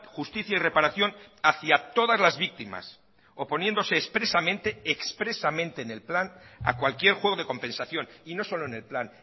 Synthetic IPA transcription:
xust̪iθjaire̞paɾaθjo̞naθjat̪o̞ðazlazβik̚t̪ima̰s | o̞po̞nje̞nd̪o̞se̞ːspɾe̞samẽnt̪e̞ekspɾesamẽnt̪e̞ːne̞lplana̰kwalkje̞ɾxwe̞ɣ̞o̞ð̞e̞ko̞mpẽ̞nsaθjo̞nino̞so̞lo̞ene̞lplan

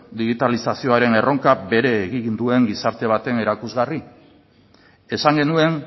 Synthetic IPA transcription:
d̪iɣ̞it̪alisasio̞aɾe̞ne̞ro̞ŋkabe̞ɾe̞ːɣind̪ue̞ŋɡisaɾt̪e̞β̞at̪e̞ne̞ɾakuzɣari | e̞saŋɡe̞nue̞n

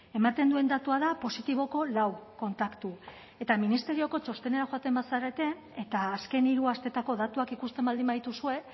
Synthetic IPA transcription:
e̞mat̪e̞nd̪ue̞nd̪at̪uaðapo̞sit̪iβ̞o̞ko̞lawko̞nt̪akt̪u | e̞t̪aminist̪e̞ɾio̞ko̞t͡ʃo̞st̪e̞ne̞ɾaxo̞at̪e̞mbasaɾe̞t̪e̞ | et̪aːske̞niɾuast̪e̞t̪ako̞ðat̪uakikust̪e̞mbald̪imbaðit̪usue̞

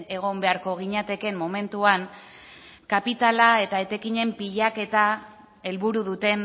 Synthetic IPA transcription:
e̞ɣ̞o̞mbe̞aɾko̞ɣ̞iɲat̪e̞ke̞mːo̞me̞nt̪uaŋ | kapit̪alae̞t̪ae̞t̪e̞kiɲe̞mpiʎake̞t̪a | e̞lβuɾuðut̪e̞n

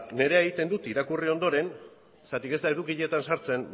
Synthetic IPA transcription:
ne̞ɾe̞eɣit̪e̞nd̪ut̪iɾakurio̞nd̪o̞ɾe̞n | st̪at̪ike̞zd̪ae̞ðukiʎe̞t̪ansaɾt͡se̞n

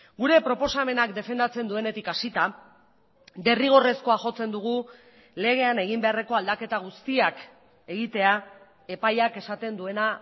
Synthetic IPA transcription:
ɡuɾe̞pɾo̞po̞same̞nakd̪e̞fe̞nd̪at͡se̞nd̪ue̞ne̞t̪ikasit̪a | d̪e̞riɣ̞o̞re̞sko̞aʝo̞t͡se̞nd̪uɣ̞u | le̞ɣ̞e̞ane̞ɣ̞imbe̞are̞ko̞ald̪ake̞t̪aɣ̞ust̪iak | e̞ɣit̪e̞a | e̞pajake̞sat̪e̞nd̪ue̞na

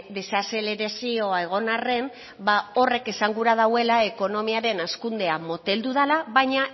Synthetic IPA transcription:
d̪e̞sase̞le̞ɾasio̞ae̞ɣ̞o̞nare̞m | bao̞re̞ke̞saŋɡuɾað̞awe̞lae̞ko̞no̞miaɾe̞naskund̪e̞amo̞t̪e̞ld̪uð̞alaβajɲa

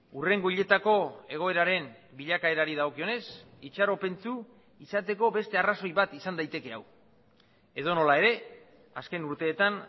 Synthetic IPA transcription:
ure̞ŋɡo̞iʎe̞t̪ako̞e̞ɣ̞o̞e̞ɾaɾe̞n | biʎakae̞ɾaɾiðaɣo̞kio̞ne̞sit͡ʃaɾo̞pe̞nt͡su | isat̪e̞ko̞βe̞st̪e̞araso̞jβat̪isand̪ajt̪e̞ke̞aw | e̞ð̞o̞no̞lae̞ɾe̞ | aske̞nuɾt̪e̞ːt̪an

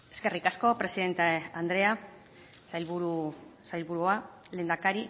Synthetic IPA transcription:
e̞̥ske̞rikasko̞pɾe̞siðe̞nt̪eand̪ɾe̞a | sajlβuɾusajlβuɾuale̞ːnd̪akaɾi

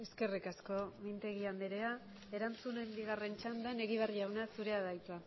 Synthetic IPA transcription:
e̞ske̞rikasko̞mint̪e̞ɣiand̪eɾe̞a | e̞ɾant͡sunembiɣare̞nt͡ʃand̪ene̞ɣiβariawnasuɾe̞aðajt̪ua

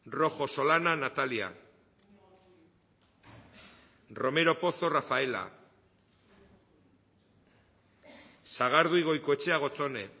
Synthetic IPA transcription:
ro̞xo̞so̞lananat̪alia̰ | ro̞me̞ɾo̞po̞so̞rafae̞la̰ | saɣ̞aɾðuiɣ̞o̞jkoe̞t͡ʃe̞aɣ̞o̞t͡sone̞̰

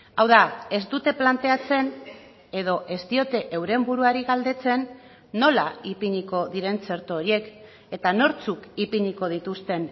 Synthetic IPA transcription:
awðae̞zd̪ut̪e̞plant̪e̞at͡se̞n | e̞ðo̞ʔe̞st̪io̞t̪e̞ʔewɾe̞mbuɾuaɾiɣald̪e̞t͡se̞nː | o̞laipiɲiko̞ðiɾe̞nt͡se̞ɾt̪ooɾie̞k | e̞t̪ano̞ɾt͡sukipiɲiko̞ð̞it̪ust̪e̞n

